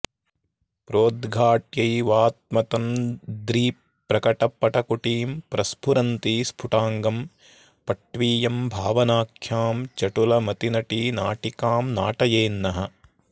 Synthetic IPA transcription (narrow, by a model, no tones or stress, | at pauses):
pɾoːd̪ɡʱaːʈjɐjʋaːt̪̚mɐt̪ɐmd̪ɾiː | pːɾɐkɐʈɐpːɐʈɐkuʈiːmpɾɐspʰuɾɐnt̪ispʰuʈaːŋɡɐm | pɐʈʋiːjɐmbʱaːʋɐnaːkʰjaːmt͡ʃɐʈulɐmɐt̪inɐʈinaːʈikaːmnaːʈɐjeːnːɐɦɐ